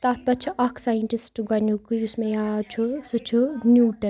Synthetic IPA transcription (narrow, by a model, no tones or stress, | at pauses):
t̪at̪̚pɐt͡ʃʰuʔɐkʰsaːjəɳʈisʈɡɐnukɨusmẽjat͡ʃʰusɨt͡ʃʰunjuːʈɐn